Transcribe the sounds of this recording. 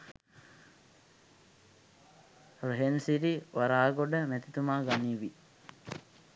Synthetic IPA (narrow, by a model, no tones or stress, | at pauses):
roɦensiɾiʋaɾaːɡoɖəmɛt̪it̪umaːɡaniːʋi